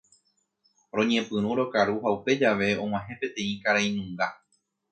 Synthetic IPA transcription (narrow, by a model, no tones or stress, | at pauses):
ɾõ̞ɲẽ̞pɨ̃ɾ̃ũɾo̞kaɾuɦaupe̞d͡ʒaʋe̞õ̞ŋ̃ãɦẽ̞pe̞t̪ẽ̞ĩkaɾaij̃nũŋɡa